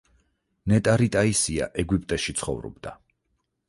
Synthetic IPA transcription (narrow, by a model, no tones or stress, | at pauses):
nɛt̪ʼaɾit̪ʼaisia̰ʔɛɡwipʼt̪ʼɛʃit̪sʰχɔ̰vɾɔ̰b̚d̪a